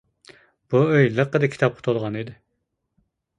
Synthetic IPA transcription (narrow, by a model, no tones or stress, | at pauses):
b̥uøjləqːəd̪ɨkʲʰi̥t̪ʰɑp̚qʰə̥t̪ʰolˠʁɑnid̪ɪ